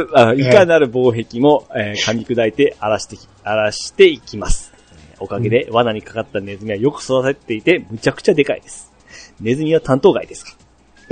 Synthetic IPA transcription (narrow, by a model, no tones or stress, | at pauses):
aikanaɾɯ̟bo̞ːɦe̞kʲimo̞ekamʲikɯ̟d̪ait̪e̞aɾat̪e | aɾaɕi̥t̪e̞ikʲimasɨ̥ | o̞kaɡe̞d̪e̞βanaɲ̟ikḁkat̪ːane̞zɨmʲiβajo̞kɯ̟̥sod̪aset̪ːe̞it̪e̞mɯ̟t͡ɕakɯ̟̥t͡ɕad̪e̞ka̰ḭd̪e̞sɨ̥ | ne̞zɨmʲiβ̞at̪ʰãnt̪o̞ːɡa̰id̪e̞sɨ̥kḁ